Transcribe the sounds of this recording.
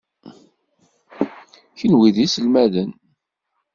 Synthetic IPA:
çənwiðisəlmæðən

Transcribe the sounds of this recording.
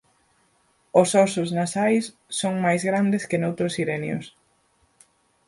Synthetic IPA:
ʊsɔsʊznasajsː | oŋmajzɣɾand̪ɪskɪnowt̪ɾʊsiɾɛnjʊ̰s

